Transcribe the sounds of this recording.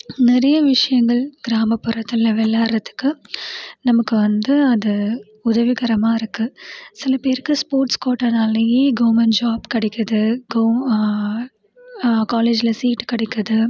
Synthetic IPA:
nɪɾɐjɐʋɪʂɐjɐŋɡɐɭɡ̥ɪɾaːmɐpːɯɾɐt̪ːɪlɐʋɛlːaːɪɾɐt̪ːɯ̥kːɯ | nɐmɐkːɯʋɐnd̪ɯɐðɯ | ʊðɐʋɪɣɐɾɐmaːɪɾɯkːɯsɪlɐpeːɾkːɯspoːɾʈskoːʈːɐnaːlɐjeːɡoːmɐnd͡ʒaːbkɐɽɪkːɐðɯɡoː | kaːleːd͡ʒɪlɐsiːʈkɐɽɪkːɐðɯ

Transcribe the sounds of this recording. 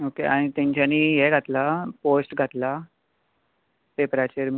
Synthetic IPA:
okeaɽ̃it̪ãɲt͡ɕaniːɦeɡʱat̪laposʈɡʱat̪la | pepɾat͡ɕeɾm

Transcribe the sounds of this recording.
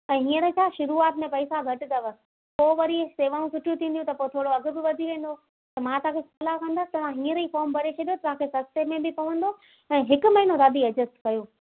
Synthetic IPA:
ɛ̃ːɦĩːə̃ɾit͡ʃʰaːʃʊɾuaːt̪mẽpɐisaɡʱɐʈɪd̪ɐʋ | poːʋɐɾiseːʋaːũsʊʈʰijũt̪ʰĩːnd̪jũt̪ɐpot̪ʰoːɽoɐɡʊ̆bɪʋɐd̪ʱiʋẽːn̆d̪o | t̪ɐmãt̪ɐãːkʰesɐlakʰə̃nd̪aːt̪ɐʋ̤ãɦĩːə̃ɾifɔːɾmbɐɾet͡ɕʰɐɗijot̪ɐʋ̤ãkʰesɐst̪emẽbɪpɐʋə̃nd̪o | ɛ̃ːɦɪkʊ̆mɐɦɪnoɾaːd̪ʱiɐd͡ʑəsʈkɐjoː

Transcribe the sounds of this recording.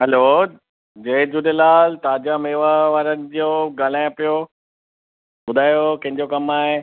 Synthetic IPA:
ɦɐlo | d͡ʑeːd͡ʑuɗelaːlt̪aːd͡ʑameːʋaʋaːɾənɪ̆d͡ʑoːɡaːl̤ãɪ̃pijo | bʊd̪ʱaːjokɐ̃ɦɪ̃ɲd͡ʑokɐmaːɦe

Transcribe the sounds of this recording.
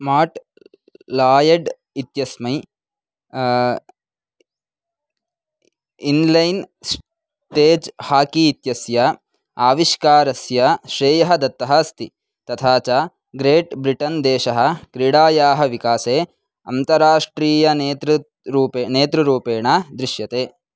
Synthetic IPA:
maːʈ | laːjɐɖ | it̪jɐsmɐj | inlɐjns | ʈeːd͡ʒhaːkiːt̪jɐsjɐ | aːʋiʃkaːɾɐsjɐʃɾeːjɐɦɐd̪ɐt̪ːɐɦɐst̪i | t̪ɐt̪ʰaːt͡ʃa | ɡɾeːʈbɾiʈɐnd̪eːʃɐɦɐ̆kɾiɽaːjaːɦɐʋikaːseː | ɐ̰nt̪ɐɾaːʂʈɾiːjɐneːt̪ɾɐ | ɾuːpeːneːt̪ɾɐɾuːpeːɳad̪ɾiʃjɐt̪eː

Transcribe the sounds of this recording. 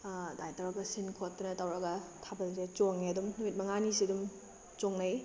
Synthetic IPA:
dajtɐɾɐkɐsinkʰotːɐnɐtɐwɾɐɡɐtʰabɐlset͡ʃoŋeɐdumnumit̚mɐŋanisidum | t͡ʃoŋnɐj

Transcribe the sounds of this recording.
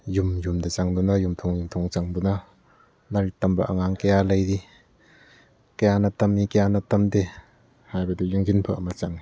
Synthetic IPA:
jumjumdet͡ʃaŋdunajumtʰɔŋjumtʰɔŋt͡ʃaŋduna | laɾitamba̰ʔa̰ŋaŋkejalajdi | kajanatɐmikajanatɐmde | hajbadijɯŋɡinpʰaʔamat͡ʃaŋ

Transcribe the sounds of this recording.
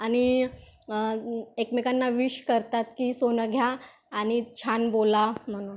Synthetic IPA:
añi | ekmekanːaʋiɕkəɾt̪at̪kiːsonəɡʱjaː | ñit͡ɕʰanbolam̤əɽ̃uːn

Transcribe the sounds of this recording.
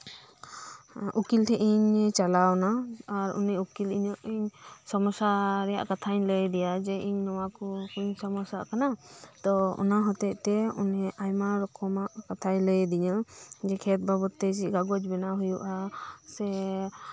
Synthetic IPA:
ukiltʰɛʔiɲt͡ʃalawnaːɾṵnɛukiliɲɔʔiɲsɔmɔsaɾɛja̰ʔkat̪ʰaɲləjd̪ɛjad͡ʒɛiɲːɔwakɔkuɲsɔmɔsaʔkanat̪ɔɔ̰naɦɔt̪ɛʔ̚t̪ɛunɛʔajmaɾɔkʰɔmaʔkat̪ʰajləjd̪iɲad͡ʒɛkʰɛt̪̚babɔt̪ːɛd͡ʒiɡaɡɔd͡ʒbɛnaɦujuʔasɛ

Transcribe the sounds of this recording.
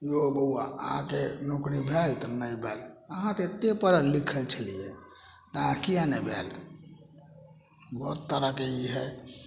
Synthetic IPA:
jobəuwa̰ɦã̰kenokɾibʱelt̪ɔnəibʱeləɦãt̪eet̪ːepəɾlikʰəlt͡ʃʰəlijɛ | t̪ãkijanɛbʱḛl | bɔt̪ːəɾəkeiɦɛ

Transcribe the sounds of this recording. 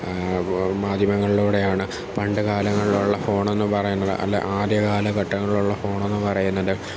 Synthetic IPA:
maːd̪ʱjɐmɐŋːɐɭiɭuːɽe̞jaːɳɨ | pɐɳɖɨɣaːlɐŋːɐɭiluɭːɐfo̞ːɳe̞nːɨpɐrɐjunːɐðɨ̰ʔɐ̰lːḛʔaːd̪jɐkaːlɐkɐʈːɐŋːɐɭiɭuɭːɐfo̞ːɳe̞nːɨpɐrɐjunːɐðɨ

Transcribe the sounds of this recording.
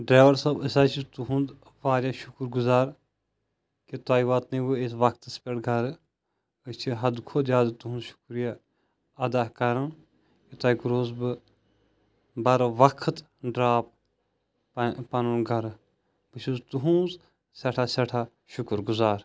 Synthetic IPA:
ɖɾeːʋɐɾsɐbəsaːt͡ʃʰit̪uɦũnz | ʋaːɾʲjaʃukɾɡuzaːɾ | kit̪aːiʋaːt̪niʋɨes̬ʋɐkʰt̪ɨspeɽɡʱɐɾ | ət͡ʃʰiɦɐd̪kʰoːd̪jaːd̪t̪uɦũnzʃu̥kɾija | ɐd̪aːkɐɾɨn | kit̪aːikɾoːzbɨ | bɐɾʋɐkʰt̪ | ɖɾaːp̚ | pɐnunɡʱɐɾ | bɨt͡ʃʰuzt̪uɦũːz | sɐʈʰasɐʈʰa | ʃukɾɡuzaːɾ

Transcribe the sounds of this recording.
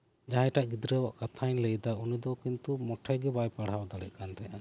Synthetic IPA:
d͡ʒaɦɛ̃ʈaʔɡid̪ɾəwaʔkat̪ʰanlɛjd̪aunid̪ɔkint̪umɔʈʰajɡɛbajpaɽ̤ɦawd̪aɽɛʔ̚ˀkant̪ʰɛja

